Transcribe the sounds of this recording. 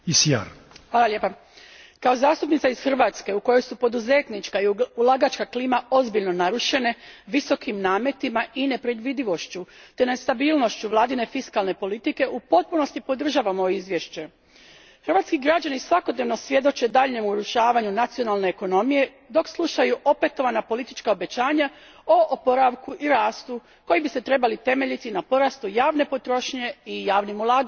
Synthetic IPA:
isja̰ɾ | xʋaːlˠalʲjepa | kao̞zaːst̪upnit̪aizxr̩ʋaːt̪ske̞uko̞jo̞jsupo̞d̪uze̞t̪nit͡ʃkaiulˠaɡat͡ʃkakliːmao̞zbiʎno̞naɾuʃe̞ne̞ʋiso̞kimnaːme̞t̪imaine̞pɾed̪ʋid̪iʋo̞ʃt͡ɕut̪e̞nest̪abiːlˠno̞ʃt͡ɕuʋlˠaːd̪ine̞fiskalne̞po̞lit̪ike̞ʔupo̞t̪̚puno̞st̪ipo̞d̪r̩ʒaːʋamo̞joizʋjeʃt͡ɕe̞ | xrɾʋaːt̪skiɡɾad͡ʑanisʋako̞d̪ne̞ʋno̞sʋje̞d̪o̞t͡ʃe̞d̪aʎɲe̞muɾuʃaːʋaɲunat̪sijo̞nalˠne̞ːko̞no̞mije̞ | d̪o̞kslˠuʃajuʔo̞pe̞t̪o̞ʋanapo̞lit̪i̥t͡ʃkao̞be̞t͡ɕaːɲa | oʔopo̞ɾaʋkuʔiɾaːst̪u | ko̞jibise̞t̪ɾe̞balit̪e̞me̞ʎit̪inapo̞ɾast̪ujaːʋne̞po̞t̪ɾo̞ʃɲe̞ijaːʋnimulˠaːɡa

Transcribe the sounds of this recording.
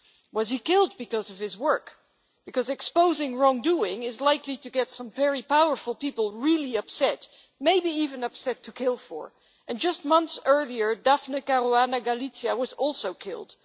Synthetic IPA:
wʌz̥ikɪlˠd̚bɨkʌzʌv̥ɨzwɜ˞k | b̥ɨkʌzɨkspoʊzɪ̃ŋɹɔ̃ŋduɪ̃ŋɪzlaɪkliɾɨɡɛtsʌ̃ɱvɛɹipaʊə˞fəl̩ˠpipl̩ˠɹilˠiʌpsɛt | meɪbiivɨ̃nʌpsɛtʰɨkʰɪlˠfə̰˞ | ɨ̃nd͡ʒʌst̚mʌ̃nθsɜ˞lˠiə˞dafnɨkaɾoanɨɡalitsiɨwʌzɔlˠsoʊkʰɪ̰lˠd̥

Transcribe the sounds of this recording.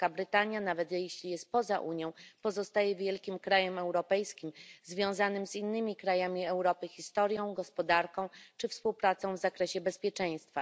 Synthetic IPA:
kabɾɘt̪aɲjanavɛt̪jɛɕlʲijɛst̪̚pɔza̰ʔuɲjɔ̃w̃pɔzɔst̪ajɛvʲjɛlkʲimkɾajɛmɛwɾɔpɛjskʲimzvʲjɔ̃w̃zanɘmzinːɘmʲikɾajamʲiɛwɾɔpɘxʲist̪ɔɾjɔ̃w̃ɡɔspɔd̪aɾkɔ̃w̃t͡ʂɘfspuwpɾat̪sɔ̃w̃vzakɾɛɕɛbɛspʲjɛt͡ʂɛj̃st̪fa

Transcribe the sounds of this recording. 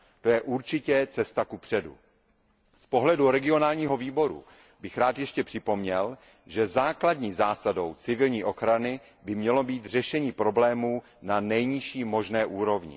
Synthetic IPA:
t̪o̞jɛʔuɾt͡ʃɪcɛt͡sɛst̪akupr̝̥ɛdṵ | spo̞ɦlɛduɾɛɡɪo̞naːlɲiːɦo̞viːbo̞ɾṵ | bɪxɾaːt̪jɛʃcɛpr̝̥ɪpo̞mɲɛl | ʒɛzaːkladɲiːzaːsado̞wt͡sɪvɪlɲiːʔo̞xɾanɪ | bɪmɲɛlo̞biːt̪r̝ɛʃɛɲiːpɾo̞blɛːmuː | nanɛjɲɪʃiːmo̞ʒnɛːʔuːɾo̞vɲɪ̰

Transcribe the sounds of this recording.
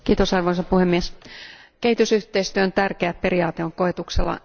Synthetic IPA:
kiːt̪osɑrʋo̞isɑpuhemːieske̞ɦhit̪ysyht̪eist̪yønt̪ærkeæpe̞ɾiɑːt̪eo̞ŋko̞et̪ukselːɑ̰

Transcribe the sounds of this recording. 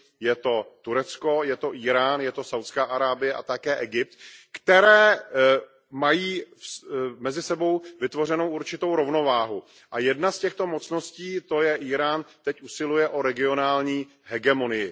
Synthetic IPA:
jɛt̪o̞t̪uɾɛt͡sko̞jɛt̪o̞ʔiːɾaːnjɛt̪o̞sawt̪t͡skaːʔaɾaːbɪjɛʔa̰t̪akɛːʔɛɡɪp̚t̪kt̪ɛɾɛː | majiː | mɛzɪsɛbo̞wvɪt̪vo̞rɛno̞wʔuɾt͡ʃɪt̪owɾo̞vno̞vaːɦu | ʔajɛdnascɛxt̪o̞mo̞t͡sno̞sciːt̪o̞jɛʔiːɾaːnt̪ɛcʔusɪlujɛʔo̞ɾɛɡɪo̞naːlɲiː | ɦɛɡɛmo̞nɪjɪ

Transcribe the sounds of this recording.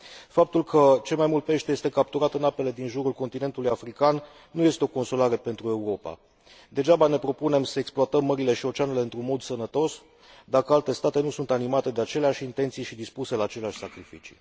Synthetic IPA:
fap̚t̪ulkʰət͡ʃe̞lmajmult̪̚pe̞ʃt̪eje̞st̪e̞kap̚t̪uɾat̪ɨnape̞le̞d̪inʒuɾulko̞nt̪ine̞nt̪ulujafɾikanː | uje̞st̪e̞o̞ko̞nsolaɾe̞pe̞nt̪ɾue̞uɾo̞pa̰ | d̪e̞d͡ʒabane̞pɾo̞pune̞msəeksploat̪əmːəɾile̞ʃio̞t͡ʃeaneleɨnt̪ɾunmo̞d̪sənət̪o̞s | d̪akəalt̪e̞st̪at̪e̞nusunt̪animat̪e̞d̪eat͡ʃe̞leaʃʲint̪e̞nt̪sijʃid̪ispuse̞laːt͡ʃe̞leaʃʲsakɾifit͡ʃḭ

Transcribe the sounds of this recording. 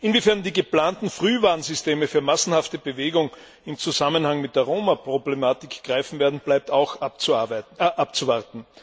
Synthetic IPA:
ʔɪnvifɛɐndiːɡəplaːntn̩fʁ̥yːvaːɐnzʏsteːməfyːɐmasn̩haftəbəveːɡʊŋ | ɪmt͡suzamənhaŋmɪt̚d̥eːɐʁoːmapʁ̥oblemaːtɪkɡ̥ʁaɪfn̩veːɐdn̩b̥laɪp̚taʊxat͡sʔap̚t͡suvaɐtn̩

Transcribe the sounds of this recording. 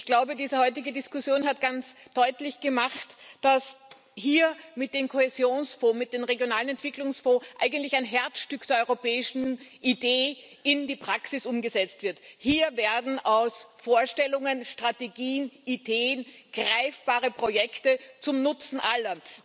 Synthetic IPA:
ɪçɡ̥laʊbədiːzəhɔʏtɪɡədɪskʊsjoːnɦatɡ̥ant͡sd̥ɔʏtlɪçɡ̥əmaχtd̥as | hiːɐmɪt̚d̥eːmkʰohezjoːnsfoːmɪt̚d̥eːmʁeɡjonaːlənɛntv̥ɪklʊŋsfɔːʔa̰ɪɡən̩tlɪçaɪnɦɛɐt͡sʃtʏkd̥eːɐʔɔʏʁopɛːɪʃn̩ʔideː | ɪndiːpʁ̥aksɪsʊmɡəzɛt͡stv̥ɪɐthiːɐvɛɐdn̩aʊsfoːɐʃtɛlʊŋənʃtʁ̥ateɡiːənideːənɡ̥ʁaɪfb̥aːʁəpʁ̥ojɛktət͡sʊmnʊt͡sn̩ʔalɐ

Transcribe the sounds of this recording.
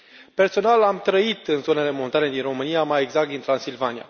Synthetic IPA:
pe̞rso̞nalamt̪ɾəit̪ɨnzo̞ne̞le̞mo̞nt̪aɾe̞d̪inro̞mɨnijamaje̞ɡzak̚t̪d̪int̪ɾansilvanija̰

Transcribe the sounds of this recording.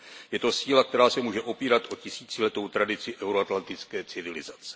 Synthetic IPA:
jɛt̪o̞siːlak̚t̪ɛɾaːsɛmuːʒɛʔo̞piːɾat̪ʔo̞cɪsiːt͡sɪlɛt̪o̞wt̪ɾadɪt͡sɪʔɛwɾoat̪lant̪ɪt͡skɛːt͡sɪvɪlɪzat͡sɛ̥

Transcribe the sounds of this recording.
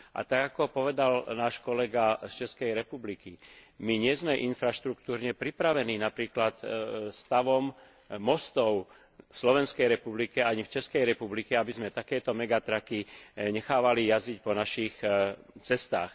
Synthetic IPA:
ʔa̰t̪aɡakɔpɔʋɛd̪alnaːʃkɔlɛɡast͡ʃɛskɛjɾɛpublikimiɲɪɛzmɛʔinfɾaʃt̪ɾukt̪uːɾɲɛpɾipɾaʋɛniːnapɾiːklat̪st̪aʋɔmː | ɔst̪ɔʊ | fslɔʋɛnskɛjɾɛpublikɛaɲift͡ʃɛskɛjɾɛpublikɛabizmɛt̪akɛːt̪ɔmɛɡat̪ɾakiɲɛxaːʋalijazic̚pɔnaʃixt͡sɛst̪a̰ːx

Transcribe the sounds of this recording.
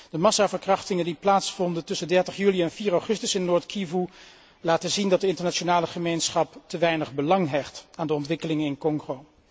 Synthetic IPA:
d̥əmɑsaːvəɹkrɑχtɪŋəndiplaːtsfɔndəntɵsəndɛɹtəχjyliɛnviːɹawχɵstəsɪnnʊːɹtkʰivu | laːtəzindɑt̚dəɪntəɹnat͡ʃonaːləχəmejnsχɑptəʋɛjnəχbəlɑŋɦɛχtaːndəɔntʋɪkəlɪŋənɪnkɔŋχow

